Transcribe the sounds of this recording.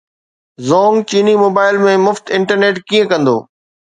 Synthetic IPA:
zɔːŋɡt͡ɕiːnimoːbaːɪlmẽmʊft̪ɪ̃ɳʈəɾneːʈkiːə̃kɐ̃nd̪o̰ː

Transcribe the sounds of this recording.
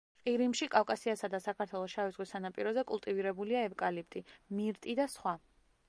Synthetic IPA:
qʼiɾimʃikʼafkʼasiasad̪asakʰaɾt̪ʰwɛlˠɔʃavizʁwisanapʼiɾɔzɛkʼulˠt̪ʼiviɾɛbuliaɛvkʼalip̚t̪ʼimiɾt̪ʼid̪asχwa

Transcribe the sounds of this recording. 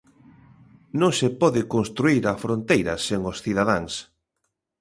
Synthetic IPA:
nõŋsepɔðɪkoŋst̪ɾuiɾɐfɾont̪ejɾɐseŋosθiðaðaŋs

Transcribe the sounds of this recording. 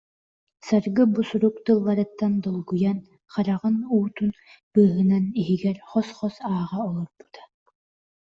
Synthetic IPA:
saɾɡɯbusuɾukt̪ɯlˠːaɾɯt̪ːand̪ɔlˠɡujan | χaɾaʁɯnuːt̪un | b̥ɯːɦɯnaniɦiɡɛɾχɔsχɔsaːʁaɔlˠɔɾb̥u̥t̪ḁ

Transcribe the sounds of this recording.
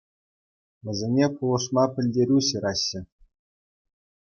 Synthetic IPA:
ʋʲɘ̆zʲenʲepulˠɤ̆ʂmɑpʲɘ̆lʲdʲeɾʲuɕɤ̆ɾɑɕːɘ̆

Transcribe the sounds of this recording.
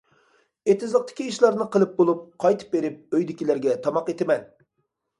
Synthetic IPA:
et̪ɪzlˠəq̚t̪ʰɪ̥kʲiːʃlˠɑɾnɨqəlˠɨp̚bolˠup̚qʰɑjt̪ʰɨ̥p̚beɾɪp̚øjd̪ɪkʲilæɾɡʲɛt̪ʰɑmɑqet̪ɪmɛn

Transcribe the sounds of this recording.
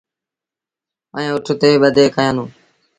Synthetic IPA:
əẽːʊʈʰt̪eːɓəd̪ʱeːkəjãːnũː

